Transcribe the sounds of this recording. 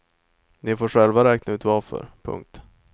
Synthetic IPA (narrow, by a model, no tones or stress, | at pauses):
nɪfoːʂɛlvaɾɛːknaʉ̟ːt̪vaɾfœ̰ɾpʰɵ̰ŋk̚t̪